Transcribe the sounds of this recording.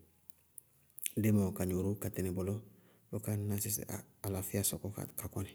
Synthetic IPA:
demokaɲuɾukatenibolo | bokanasisalafiasɔkɔ̰kakɔni

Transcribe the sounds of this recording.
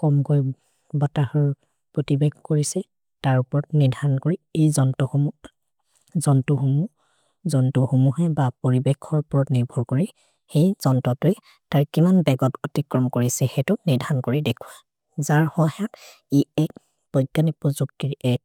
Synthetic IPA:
kɔmkoj | bɔtahɔɹ | pɹɔtibɛɡkoɹisɛ | taɹupɔɹɔtniɹdʱankoɹiejzɔntɔxomu | zɔntuxumu | zɔntuxomuɦɛbapoɹibɛkʰɔɹpɔɹɔtniɹbʱɔɹkoɹi | xejzɔntɔtʊɛ | taɹkimanbɛɡɔtotikɹɔmkoɹisɛxɛtʊniɹdʱankoɹidekʰuwa | zaɹhɔhak | iɛk̚ | b̥ɔjɡanipɔzuk̚tiɹɛ

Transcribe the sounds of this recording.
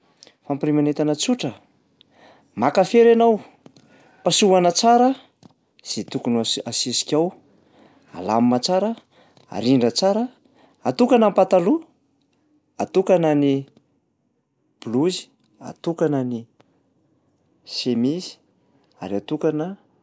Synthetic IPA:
fampirimanet̪anət͡suʈ͡ʂə | makafeɾanaw | pasuanət͡saɾə | z̥it̪ukunasisi̥kʲaw | a̰la̰mimat͡saɾə | a̰ɾiɳɖ͡ʐət͡saɾə | at̪ukanampat̪alu | at̪ukanani | b̥uluzi̥ | a̰t̪ukanani | semizi̥ | a̰ɾiat̪ukanə

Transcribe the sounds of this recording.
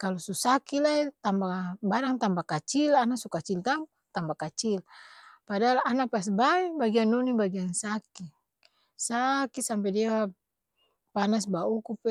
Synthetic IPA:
kalɔsusakilait̪ambabaɾaŋt̪ampakat͡ʃilanasukat͡ʃilt̪ampḁt̪ambakat͡ʃilpadaalanapas̬baibaɡianːɔnibaɡiansaki | sakisamp̬ɛdia | panas̬baukupɛ

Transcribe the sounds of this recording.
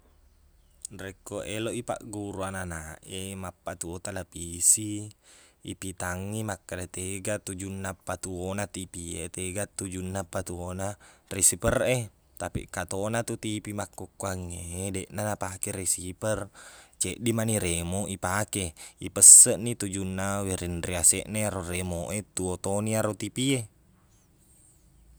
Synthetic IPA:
rekːoʔeloʔipa̰ʔɡuɾuananaʔemapːat̪uot̪alapisḭː | pit̪aŋːimakːadat̪eɡat̪ud͡ʒunːapːat̪uonat̪ipiet̪eɡat̪ud͡ʒunːapːat̪uonaresipəre | t̪apḭkat̪onat̪ut̪ipimakːukːuaŋːedɛʔnanapakeɾesipərt͡ʃeʔdimaniɾemoʔipakeipəsːəʔnit̪ud͡ʒunːaweɾindɾiasɛ̰ʔneaɾoremoʔet̪uot̪oniaɾot̪ipie

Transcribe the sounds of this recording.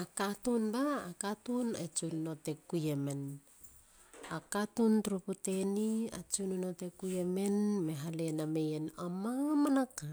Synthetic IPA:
akatunbaːkatunet͡ʃunno̞te̞kujeme̞n | akatuntuɾupute̞nia̰t͡ʃununote̞kujeme̞nme̞ɦale̞name̞jenomamanaka

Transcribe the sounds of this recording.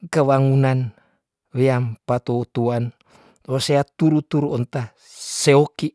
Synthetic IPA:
kəβaŋunan | weampat̪out̪uan | roseat̪uɾut̪uɾuont̪a | seoki

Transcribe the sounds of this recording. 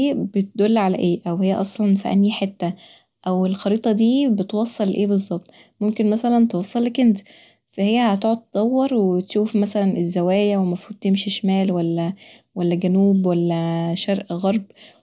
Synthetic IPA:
ʔeːbet̪̚d̪olːʕalæʔeːʔæwhejːæ̰ʔɑsˤlɑnfiʔæ̰njħet̪ːæ | ʔæwelxɑɾiːt̪ˤɑd̪iːbet̪wɑsˤːelʔeːbezˤːɑb̚t̪ˤ | momkenmæsælænt̪ewɑsˤːɑlːekent̪ | fæhejːæhæt̪oʕod̪̚t̪ːd̪ˤɑwːɑɾˤwet̪ʃuːfmæsælænʔezːæwæːjæwemæfuːd̪̚t̪emʃiʃmæːlwælːæwælːæɡænuːbwælːæʃæɾʔɣɑɾˤb

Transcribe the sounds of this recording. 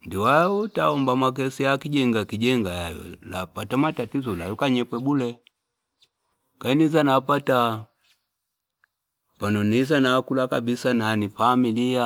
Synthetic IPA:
ndiwautaɔmbamak̬ɛsiakiɟɛŋɡakiɟɛŋɡajajɔ̰lapatamatatizɔlajɔkaɲɛpwɛbulɛ | kanizanapata | panɔnizanaːkulakabisananifamilia

